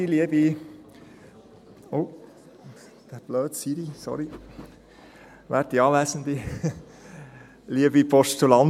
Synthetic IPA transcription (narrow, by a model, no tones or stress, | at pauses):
iliəbi | o | d̪̥æb̥løːd̪̥siɾisɔ̰ɾi | ʋæɾt̪ːiɑːʋæːsənd̪i | liəbipʰɔʃtulɑn